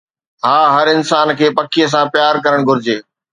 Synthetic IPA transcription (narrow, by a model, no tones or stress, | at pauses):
ɦaːɦɐɾɪnsaːnkʰeːpɐkʰijəs̬ãpjaːɾkɐɾəɽ̃ɡʱʊɾɪd͡ʑeː